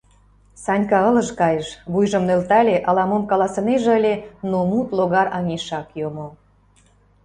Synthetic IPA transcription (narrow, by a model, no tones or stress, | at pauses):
sɑnʲkɑə̆lə̆ʃkɑjəʃβujʒə̆mnølt̪ælʲeʔɑlɑmomkɑlɑsə̆neʒeəlʲenomut̪loɣɑrɑŋʲeʃɑkjomo